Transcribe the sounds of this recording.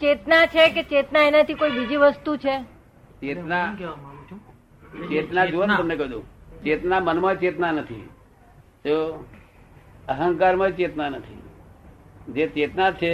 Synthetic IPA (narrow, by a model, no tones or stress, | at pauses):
t͡ʃet̪nat͡ʃʰeket͡ʃet̪naenat̪ʰikoibid͡ʒiʋəst̪ut͡ʃʰe | t͡ʃena | t͡ʃet̪nad͡ʒuʋənt̪əmnekəɦd̪õt͡ʃet̪namənmãt͡ʃet̪nanət̪ʰḭ | t̪o | əɦəŋkaɾmãt͡ʃet̪nanət̪ʰḭ | d͡ʒet͡ʃet̪nat͡ʃʰe